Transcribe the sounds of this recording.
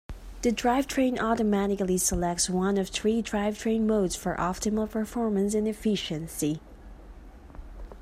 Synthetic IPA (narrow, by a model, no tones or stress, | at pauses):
ðɨdɹaɪv̥tʰɹ̥ẽɪ̃nʔɔɾəmæɾɨklisəlɛk̚tswʌ̃nʌv̥θɹidɹaɪv̥tʰɹ̥ẽɪ̃nmoʊdz̥fə˞ʔɑp̚tʰɨml̩ˠpʰə˞fɔɹmɨ̃ns̬ɨ̃nɨfɪʃɨ̃nsi